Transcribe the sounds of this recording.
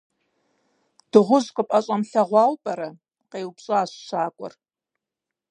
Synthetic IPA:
d̥ɨʁʷʊzkʷʼʊpʼɐɕʼɐmɬɐʁʷɑlpʼɐɾɐ | qejwpɕʼɨaːɕʃʷaːkʷʼɔ̰r

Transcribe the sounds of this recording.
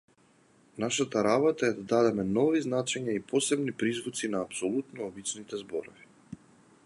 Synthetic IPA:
naʃat̪aɾabɔt̪aɛd̪ad̪ad̪ɛmɛnɔviznat͡ʃɛɲaipɔsɛbnipɾizvut̪sinaːpsɔlˠut̪nɔːbit͡ʃnit̪ɛzbɔɾɔvi

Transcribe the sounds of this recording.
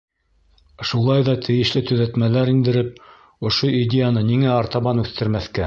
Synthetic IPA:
ʃulˠɑjðɑt̪ʰɘ̆jɘ̆ʃlɘt̪ɵ̆ðæt̪mælæɾind̪ɘ̆ɾɘp̚ | ŏʃoidʲejanɤniŋæɑɾt̪ɑβɑnʉθt̪ɘ̆ɾmæθkæ

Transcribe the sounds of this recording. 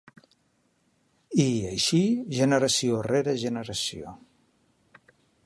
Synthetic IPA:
iəjʃiʒənəɾəsioreɾəʒənəɾəsio̰

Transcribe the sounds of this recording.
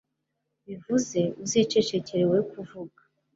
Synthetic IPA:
βivuze̞uzit͡ʃe̞t͡ʃe̞ceɾe̞we̞kuvuɡa

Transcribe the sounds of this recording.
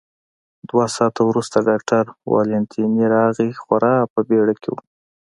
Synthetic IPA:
d̪wasɑt̪awɾust̪aɖɑkʈaɾwɑ̰lɪnt̪ʰiniɾɑɣixwaɾʔɑpəbeɽakʰewṵ

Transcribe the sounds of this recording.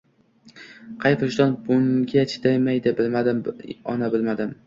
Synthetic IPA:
qʰɑjfʊʃd̪ɒnbʊŋɡʲat͡ʃʰɪ̥d̪ajmajd̪ɪbɪlmad̪ɪmɒ̰nabɪlmad̪ɪm

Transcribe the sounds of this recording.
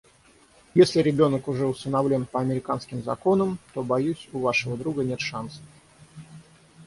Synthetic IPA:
jesʲlʲɪɾʲɪbʲo̞nəkʊʐɛʊst̪ənɐvlʲo̞npəɐmʲɪɾʲɪkanskʲɪmzɐ̰ko̞nəmt̪o̞bɐjusʲʊvaʂɨvəd̪ɾuɡənʲe̞t̪ʂansə̥

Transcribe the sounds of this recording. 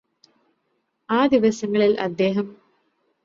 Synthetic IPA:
aːd̪iʋɐsɐŋːɐɭilʔɐ̰d̪ːeːɦɐm

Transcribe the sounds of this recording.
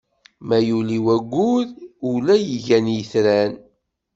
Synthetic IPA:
mæjuliwæɡʷːuðʊlæjəʝænjəθɾæn

